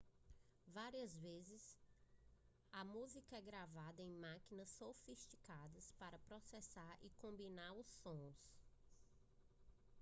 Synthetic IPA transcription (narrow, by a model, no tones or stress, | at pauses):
vaɾiɐzvezɪs | ɐmuzikɐɛɡɾavad̪ɐẽj̃makinɐsːofist͡ʃikad̪ɐspaɾɐpɾɔsɛsaɾɪ̰kõmbinaɾʊsːõs